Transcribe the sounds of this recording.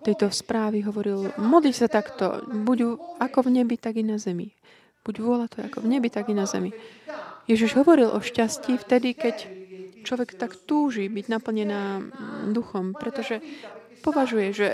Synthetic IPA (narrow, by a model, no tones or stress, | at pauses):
t̪ɛjt̪ɔspɾaːʋiɦɔʋɔɾilmɔd̪licsat̪akt̪ɔ̰buɟakɔvɲɛbit̪aɡinazɛmḭ | b̥uɟʋʊɔlat̪ɔjakɔvɲɛbit̪aɡinazɛ̰mi | jɛʒiʒɦɔʋɔɾilʔɔʃcasciːft̪ɛd̪ikɛct͡ʃlɔʋɛkt̪akt̪uːʒibiɟnapl̩ɲɛnaːd̪uxɔmpɾɛt̪ɔʒɛ | pɔʋaʒujɛʒɛ